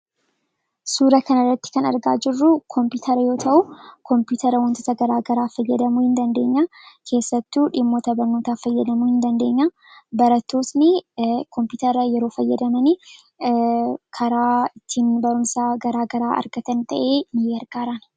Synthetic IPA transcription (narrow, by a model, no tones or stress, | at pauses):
suːɾɐkɐnɐrːɐt̪ːɪ̥kɐnɐ̰ɾɡa̰ːd͡ʒɪrːukʰɔmpuːt̪ʰɐɾɐjo̞ːt̪ʰɐʔukɔmpuːt̪ʰɐɾɐwɐnt̪oːt̪ɐɡɐɾaːɡɐɾaːfɐjːɐd̪ɐmuhɪnd̪ɐnd̪e̞ːɲːakʰe̞ːsːɐt̪ːuːᶑɪmːot̪ɐbɐnːoːt̪aːfɐjːɐd̪ɐmuːhɪnd̪ɐnd̪e̞ːɲːa | bɐɾɐt̪ːo̞ːsnɪkɔmpuːt̪ɐɾɐjɛɾo̞ːfɐjːɐd̪ɐmɐni | kʰɐɾaːɪt̪ːiːnbɐɾʊmsaːɡɐɾaːɡɐɾaːʔɐ̰ɾɡɐt̪ɐnt̪ʰɐʔe̞ːmɪjeːɐɾɡ̥aːɾɐn